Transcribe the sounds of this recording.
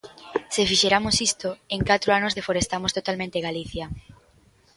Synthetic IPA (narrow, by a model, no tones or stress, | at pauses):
sefiʃeɾamosist̪oeŋkat̪ɾoanozðefoɾest̪amost̪ot̪almẽnt̪eɣaliθja